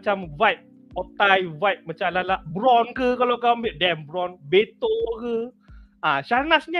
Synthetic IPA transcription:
t͡ʃamvajp̚ | ʔɔt̪ajvajp̚mat͡ʃalalaʔbɾɔnkɨkalakabiəʔdɛmbɾɔnbet̪okɨ | ʔaːsanasɲa

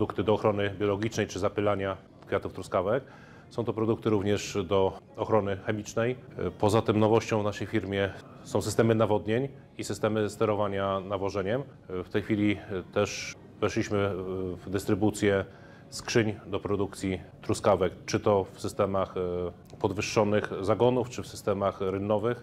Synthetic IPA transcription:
d̪ukt̪ɘd̪ɔːxɾɔnɘbʲjɔlɔɡʲit͡ʂnɛjt͡ʂɘzapɘlaɲa | kfʲjat̪uft̪ɾuskavɛk | sɔ̃w̃t̪ɔpɾɔd̪uk̚t̪ɘɾuvɲɛʂd̪ɔːxɾɔnɘxɛmʲit͡ʂnɛjpɔzat̪ɘmnɔvɔɕt͡ɕɔ̃w̃vnaʂɛjfʲiɾmʲjɛ | sɔ̃w̃sɘst̪ɛmɘnavɔd̪ɲeɲ | isɘst̪ɛmɘst̪ɛɾɔvaɲanavɔʐɛɲɛm | ft̪ɛjxfʲilʲit̪ɛʂ | vɛʂlʲiɕmɘvd̪ɘst̪ɾɘbut̪sʲjɛ | skʂɘɲd̪ɔpɾɔd̪uk̚t̪sʲjit̪ɾuskavɛkt͡ʂɘt̪ɔfsɘst̪ɛmax | pɔd̪vɘʂːɔnɘxzaɡɔnuft͡ʂɘfsɘst̪ɛmaxɾɘnːɔvɘx

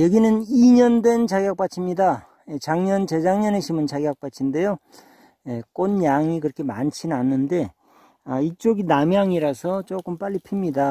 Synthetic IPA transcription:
jʌɡinɯniɲʌndwe̞nt͡ɕaɡjak̚p͈at͡ɕʰimɲida | jet͡ɕaŋɲʌnt͡ɕe̞d͡ʑaŋɲʌneɕʰimɯnt͡ɕaɡjak̚p͈at͡ɕʰinde̞jo | je̞k͈onjaŋikɯɾʌkʰe̞mant͡ɕʰinanːɯnde̞ | ait͡ɕ͈oɡinamjaŋiɾasʰʌt͡ɕok͈ɯmp͈aʎːipʰimɲida

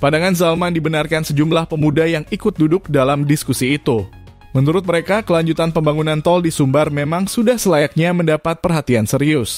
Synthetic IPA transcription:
padaŋanzalmandibənarkansəd͡ʒumlahpəmudajaŋikʊt̪̚dudʊk̚dalamdiskusiːt̪u | mənuɾʊt̪̚məɾekakəlaɲd͡ʒut̪anpəmbaŋunant̪ɔldisumbərmemaŋsudahsəlajak̚ɲaməndapat̪̚pərɦat̪iansəɾiʊs

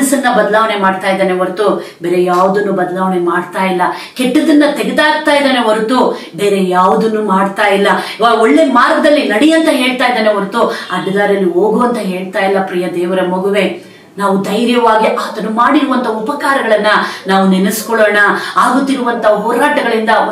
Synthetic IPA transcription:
ɐsɐnːɐbɐd̪ɐlaːʋɐne̞maːɖt̪aːjd̪aːneʋɐɾut̪ubeːɾe̞jaːʋud̪ɐnːubɐd̪ɐlaːʋɐne̞maːɽt̪aːjilːɐ | keʈːɐd̪ɐnːɐt̪eɡed̪aːɡ̚t̪aːjid̪aːneʋɐɾut̪u | be̞ːɾe̞jaːʋud̪ɐnːumaːɽt̪aːjilːɐɔɭːe̞maːɾɡɐd̪ɐlːinɐɽijɐnt̪ɐɦe̞ːɭt̪aːjid̪aːneʋɐɾut̪uɐɖɐɡ̪aːɾɐlːioːɡoɐnt̪ɐɦe̞ːɭt̪aːjilːɐpɾiːjɐd̪eːʋɐɾɐmoɡuʋe̞ | naːʋud̪ɐjɾjɐʋaːɡiʔaːt̪ɐnumaːɽiɾuʋɐnt̪ʰɐupɐkaːɾɐɡɐɭɐnːɐnaːʋunenɐskɔɭoːɳɐaːɡut̪ːiɾuʋɐnt̪ʰɐɦɔːɾaːʈɐɡɐɭind̪ɐ

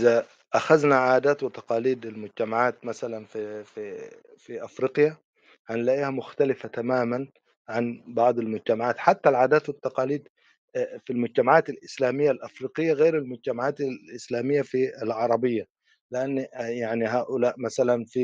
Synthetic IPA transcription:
za | ʔaxaznaʕaːd̪aːt̪wɪt̪ɑqɑːliːd̪almʊd͡ʒt̪amaʕaːt̪masalanfifi | fiʔafɾiːqja | ʕanlaːʔjhamʊxt̪alɪfat̪amaːman | ʕanbɑʕd̪ˤalmʊd͡ʒt̪amaʕaːt̪ħat̪ːalʕaːd̪aːt̪wɪt̪ːɑqɑːliːd̪ | filmʊd͡ʒt̪amaʕaːt̪alʔɪslaːmɪjːalʔafɾiːqɪjːaɣeːɾalmʊd͡ʒt̪amaʕaːt̪aɪslaːmɪjːafilʕɑɾˤɑbɪjːa | lɪʔanːjaʕniɦaːʔʊlaːʔmasalanfi

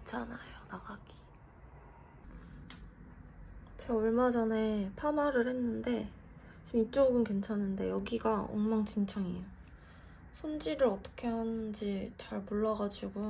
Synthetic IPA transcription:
t͡ɕʰanajonaɡaɡ̥i̥ | t͡ɕeoɭmad͡ʑʌne̞pʰanaɾɯɭhe̞nːɯnde̞ | t͡ɕimit͡ɕ͈oɡɯnkwe̞nt͡ɕʰanːɯnde̞jʌɡiɡao̰ŋmaŋt͡ɕint͡ɕʰaŋejo | sʰond͡ʑiɾɯɾʌt͈ʌ̥kʰe̞ɦanɯnd͡ʑit͡ɕaɭmoɭːaɡad͡ʑiɡo

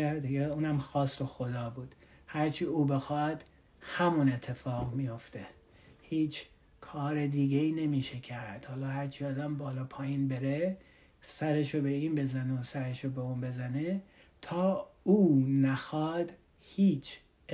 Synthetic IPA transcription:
æd̪ijeuːnæmxɒːst̪oxo̞d̪ɒːbuːd̪̥hæɾt͡ʃʰiːuːbe̞xɒd̪̥ | hæmune̞t̪ʰːe̞fɒːɣmijo̞ft̪e | hiːt͡ʃʰ | kʰɒːɾed̪iːɡeiːne̞miːʃecʰæɾd̪̥hɒːlɒːhæɾt͡ʃʰiːɒːd̪æmbɒːlɒːpʰɒːjiːnbeɾe | sæɾe̞ʃobe̞iːnbe̞zæneosæɾe̞ʃobeuːnbe̞zæne | t̪ʰɒːuːnæxɒːd̪ | hiːt͡ʃʰ

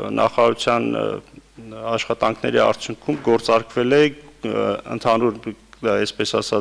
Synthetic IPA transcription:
nʔɑ̰χɑɑɾut͡sʰjɑn | ɑʃχɑt̪ɑŋkʰnɛ̰ɾiɑ̰ɾt͡sʰjuŋkʰumɡɔɾt͡sɑɾkvɛlɛ | ə̰nt̪ʰɑnuɾɛspɛsɑsɑ

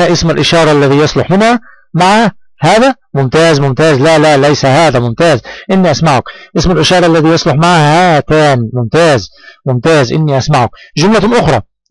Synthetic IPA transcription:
ʔɪsmalʔɪʃɑːɾˤɑʔalːæðiːjɑsˤlʊħmɪnhæ | maʕhæ | hæːðæ | mʊmt̪æːzmʊmt̪æːzlælælæjsæɦaːd̪æmʊmt̪æːzʔɪnːiʔasmaʕʊkʔɪsmalʔɪʃɑːɾˤɑʔalːæðiːjɑsˤlʊħmaʕhat̪æːnimʊmt̪æːzmʊmt̪æːzʔɪnːiʔasmaʕʊkʒʊmlat̪ʊmʔʊxɾˤɑ

